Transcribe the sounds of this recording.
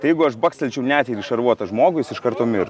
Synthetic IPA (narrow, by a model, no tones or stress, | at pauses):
t̪ɐɪjɛɪɡʊɐʃbɐːksʲɛlʲt͡ʃʲɛʊnʲæːt̪ʲɪːɾɪʃɐrʋuɔt̪ɐʒmoːɡʊjɪsɪʃkɐɾt̪oːmʲɪɾ